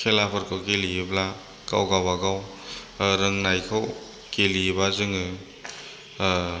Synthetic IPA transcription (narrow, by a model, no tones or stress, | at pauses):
kʰelapʰɯɾkʰɯwkelibla | ka̰wɡawaɡaw | ɾɯŋnajkʰaw | kelibazɯŋɯ